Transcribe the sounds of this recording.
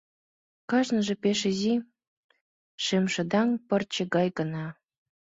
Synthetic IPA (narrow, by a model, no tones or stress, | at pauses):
kɑʒnɤ̆ʒĕpeʃəzi | ʃemʃɤ̆d̪ɑŋpɤ̆rt͡ɕĕɣɑjɣə̆nɑ